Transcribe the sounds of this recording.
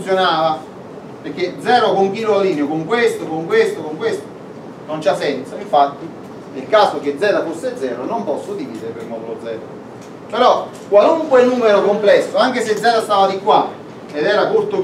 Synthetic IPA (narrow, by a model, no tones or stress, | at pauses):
sjonaːva | peɾk̟ːed̪zɛːɾʊkʊŋk̟iːloaliːnjʊkʊŋkwest̪ʊkoŋkwest̪ʊkoŋkwest̪ʊ̥ | nont͡ʃasɛnsaiɱfat̪ːi | nelkaːsok̟ed̪zɛːd̪afosːed̪zːɛːɾʊnompɔsːʊd̪iviːd̪eɾpeɾmɔd̪ulod̪zːɛːd̪a̰ | peɾɔ | kːwaluŋkwenːuːmeɾokomplɛsːʊaŋk̟esed̪zɛːd̪ast̪aːvad̪ikːwa | ed̪ɛːɾakuɾt̪ʊ